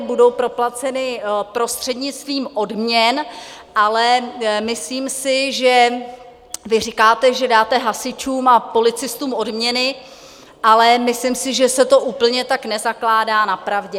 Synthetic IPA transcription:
budo̞wpɾo̞plat͡sɛnɪpɾo̞st̪r̝̥ɛdɲɪt͡st̪viːmʔo̞dmɲɛnʔalɛmɪsliːmsɪʒɛ | vɪrɪkaːt̪ɛʒɛdaːt̪ɛɦasɪt͡ʃuːmapo̞lɪt͡sɪst̪uːmʔo̞dmɲɛnɪ | ʔalɛmɪslɪmsɪʒɛsɛt̪o̞ʔuːpl̩ɲɛt̪aknɛzaklaːdaːnapɾavɟɛ

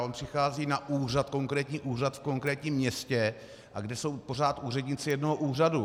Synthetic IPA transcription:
ʔo̞npr̥ɪxaːziːnaʔuːrat̪ko̞ŋkɾɛːt̪ɲiːʔuːrat̪fko̞ŋkɾɛːt̪ɲiːmːɲɛscɛ | ʔaɡdɛso̞wpo̞r̝aːt̪ʔuːrɛdɲɪt͡sɪjɛdno̞ɦoʔuːradu

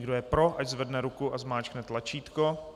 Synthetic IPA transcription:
ɡdojɛpɾo̞ʔaɟzvɛdnɛɾukuʔazmaːt͡ʃknɛt̪lat͡ʃiːt̪ko

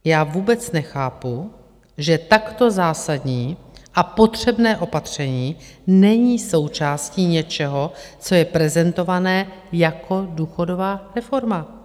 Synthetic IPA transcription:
jaːvuːbɛt͡snɛxaːpu | ʒɛt̪akt̪o̞zaːsadɲiːʔapo̞t̪r̝̥ɛbnɛːʔo̞pat̪r̝̥ɛɲiːnɛɲiːso̞wt͡ʃaːsciːɲɛt͡ʃɛɦo̞t͡so̞jɛpɾɛzɛnt̪o̞vanɛːjakʰo̞duːxo̞do̞vaːɾɛfo̞ɾma

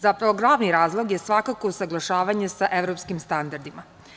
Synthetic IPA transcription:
zapɾaʋoɡlˠaːʋniɾaːzlˠoɡjesʋakakousaɡlˠaʃaːʋaɲesaʔe̞vɾopskimst̪and̪aɾd̪ima

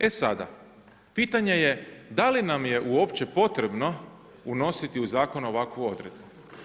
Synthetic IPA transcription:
e̞sad̪a̰ | piːt̪aɲe̞je̞d̪alinamje̞ʔuo̞pt͡ɕe̞po̞t̪ɾe̞bno̞ | uno̞sit̪iuzaːko̞no̞ʋakʋuo̞d̪ɾe̞d̪̚bu

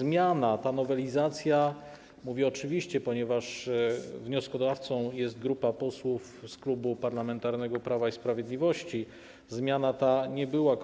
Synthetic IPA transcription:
zmʲjanat̪anɔvɛlʲizat̪sʲja | muvʲjɛɔt͡ʂɘvʲiɕt͡ɕɛpɔɲɛvaʂ | vɲɔskɔd̪aft̪sɔ̃w̃jɛst̪̚ɡɾupapɔswuf | sklubupaɾlamɛnt̪aɾnɛɡɔpɾavaispɾavʲjed̪lʲivɔɕt͡ɕi | zmʲjanat̪aɲɛbɘwak

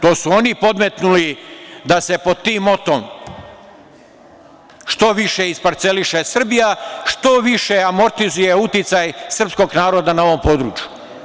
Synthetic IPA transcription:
t̪o̞ːsuo̞nipo̞d̪met̪nulid̪ase̞po̞d̪̚t̪ːiːmo̞t̪om | ʃt̪o̞ʋiʃeispaɾt̪se̞liʃesr̩bijaʃt̪o̞ʋiʃeamo̞ɾt̪izuje̞ut̪it̪sajsr̩psko̞ɡnaːɾo̞d̪anao̞ʋo̞mpo̞ːd̪ɾṵːt͡ʃju

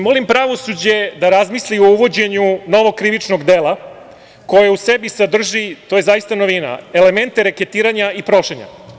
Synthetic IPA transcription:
mo̞limpɾaʋo̞sud͡ʑe̞d̪aɾazmislio̞uʋo̞d͡ʑe̞ɲuno̞ʋo̞kɾiʋit͡ʂnoɡd̪eːlˠa | ko̞jeusebisad̪r̩ʒit̪oje̞zajist̪ano̞ʋina̰e̞le̞me̞nt̪eɾeket̪iːɾaɲaipɾo̞ʃeɲa̰

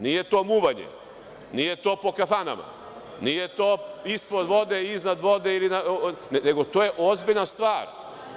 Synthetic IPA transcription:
nijet̪o̞ːmuːʋaɲḛ | nijet̪o̞ːpo̞kafana̰ma̰ | nijet̪oːispɾod̪ʋo̞d̪eiznad̪ʋo̞d̪eilinanene̞ɡot̪oːjeʔozbiʎnast̪ʋaːɾ

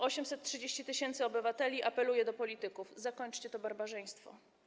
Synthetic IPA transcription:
ɔɕɛmsɛt̪̚tːʂɘd͡ʑeɕt͡ɕit̪ɘɕɛnt̪sɘɔbɘvat̪ɛlʲiʔapɛlujɛd̪ɔpɔlʲit̪ɘkufzakɔɲt͡ʂt͡ɕɛt̪ɔbaɾbaʐɛj̃st̪fɔ̰

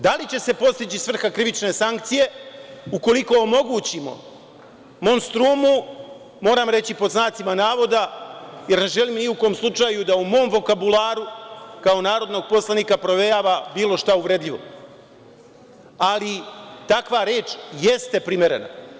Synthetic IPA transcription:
d̪alit͡ɕe̞se̞po̞st̪it͡ɕisʋr̩xakɾiʋit͡ʃne̞saŋkt̪sije̞uko̞liko̞ːmo̞ɡuːt͡ɕimo̞̰ | mo̞ːmst̪ɾuːmu | mo̞ːɾamɾe̞t͡ɕipo̞d̪znaːt̪simanaːʋo̞d̪aje̞ɾneʒe̞liːmniukoomslˠut͡ʂaːjud̪aumo̞ːmʋo̞kabulˠaːɾukao̞naːɾo̞d̪no̞ɡ̚po̞slˠaniːkapɾo̞ʋe̞jaːʋabiːlˠo̞ʃt̪auʋɾed̪ʎiʋo̞̰ | alit̪akʋaɾe̞ːt͡ʃje̞st̪e̞pɾime̞ɾe̞̰na̰

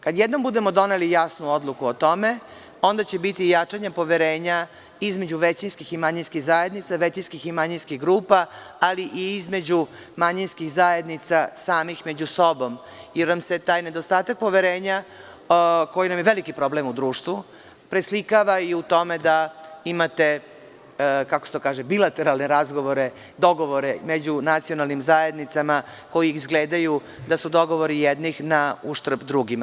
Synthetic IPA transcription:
kad̪jɛd̪no̞mbud̪e̞mo̞d̪o̞nelijasnuod̪lˠukuot̪o̞me | o̞nd̪at͡ɕebit̪ijat͡ʂaɲempo̞ʋeɾeːɲa | izme̞d͡ʑuʋet͡ɕinskiximaɲinskiɣzaje̞d̪nit̪saʋet͡ɕinskiximaɲinskixɡɾuːpa | aliʔiizme̞d͡ʑu | maɲinskiɣzaje̞d̪nit̪sasaːmixme̞d͡ʑuso̞bo̞m | jeɾnamse̞t̪aːjned̪ost̪aːt̪ak̚po̞ʋeɾeːɲa | ko̞jinamjeʋe̞likipɾo̞blemud̪ɾuːʃt̪ʋu | pɾeslikaʋaiut̪o̞med̪aimat̪e̞ | kakost̪okaːʒembilat̪e̞ɾalˠneɾazɡo̞ʋo̞ɾe | d̪o̞ɡo̞ʋo̞ɾemed͡ʑunat̪sio̞nalnimzaje̞d̪nit̪sama | ko̞jiiizɡleːd̪aju | d̪asud̪o̞ɡo̞ʋo̞ɾijɛd̪nixnauʃt̪r̩bd̪ɾuɡima

